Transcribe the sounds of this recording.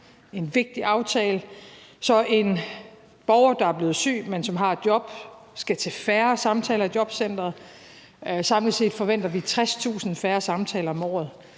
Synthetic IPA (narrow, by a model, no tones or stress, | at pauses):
e̝nʋe̝ɡ̥̚d̥iʔɑ̈ʊt͡sʰɛːləsɒ̽ʔe̝n | b̥ɒʊɐd̥ɑ̈æɐb̥le̝ːð̩ˠsy̰ːmensɒ̽mɦɑ̈d̥jɒ̽b̥sɡ̥æt͡sʰe̝fæːɐsɑ̈mt͡sʰɛːlɐd̥jɒ̽b̥sen̰d̥ʁɐ | sɑ̈mlise̝̰ːd̥fɒ̽ʋen̰d̥ɐʋit͡sʰʁast͡sʰṵːsn̩fæːɐsɑ̈mt͡sʰɛːlɐɒ̽mɒ̰ːð̩ˠ